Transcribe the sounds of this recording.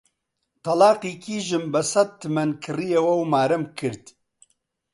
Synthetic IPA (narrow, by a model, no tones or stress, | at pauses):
t̪ʰɐlaːqiːkiːʒɨmbɐsɐt̪̚t̪ːɨmɐnkʰɨrijewɐwmaːɾɐmkʰɨɾt̪